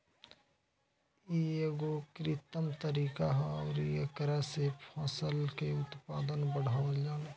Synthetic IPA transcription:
ieɡokɾɪt̪əmt̪əɾiːkaɦɔːɾiekɾasepʰaːsəlkeʊt̪paːd̪ənbəɽ̤aːʋəd͡ʒaːn

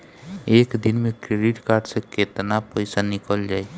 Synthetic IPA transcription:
eːkd̪inmẽkɾeɖiʈkaːɾɖseket̪napəɪsanɪkəld͡ʒaːe

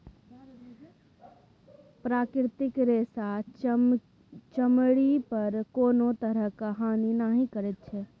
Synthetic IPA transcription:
pɾaːkɾt̪ɪkɾeːsa | t͡ʃəmɽipəɾkoːnot̪əɾəɦkaɦaːninaɦĩkəɾɛt̪̚t͡ʃʰɛ

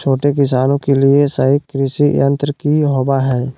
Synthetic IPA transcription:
t͡ʃʰoːʈekɪs̬aːnõkeliesəɦikɾɪʃijɐ̃nt̪ɾəkiɦoːbaɦɛː

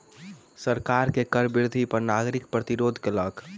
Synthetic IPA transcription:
səɾkaɾkekəɾbɪɾd̪ʱipəɾnaɡɾikpɾət̪iɾod̪ʱkelək

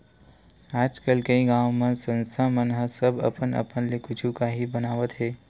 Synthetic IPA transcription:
aːd͡ʒkəlkəĩɡaːw̃mensə̃nst̪ʰamənɦəsɐbɐ̰pənɐ̰pənlekʊd͡ʒʰũkaɦibɐnaːʋət̪ɦɛː

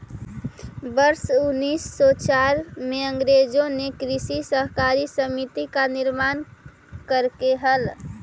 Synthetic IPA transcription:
bəɾsʊnːisːɔt͡ʃaɾmeə̃ŋɡɾed͡ʒõnekɾisisəɦkaɾisəmit̪ikanɪɾmaːn | kəɾkeɦəl

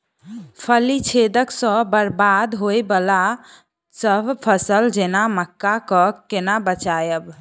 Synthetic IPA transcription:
pʰəlit͡ʃʰed̪əksə̃bəɾbad̪ɦojbəla | səbʱpʰəsəld͡ʒenaməkːakəkenabət͡ʃajəb

